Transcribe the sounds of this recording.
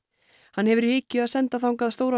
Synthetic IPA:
hanːhɛvʏɾɪːcːʏaðsɛnt̪aθawŋk̬aðst̪oːwɾa

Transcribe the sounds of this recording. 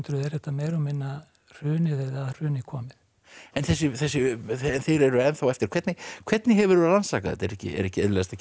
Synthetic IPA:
t̪ɾʏðɛɾθɛht̪ːameːjɾɔmɪnːa | r̥ʏːnɪðeðar̥ʏːnɪkʰɔːmɪð | ɛnθɛsːʏθɛs̬ːʏnθejɾɛɾʏɛnθawɛft̪ɪɾ̥kʰvɛt̪nɪkʰv̥ɛt̪nɪɦɛvʏɾʏalansaːkaðɛ̰t̪ɛɾɛhcɪ̰ɛ̰ɾɛhcɪɛðlɛast̪a

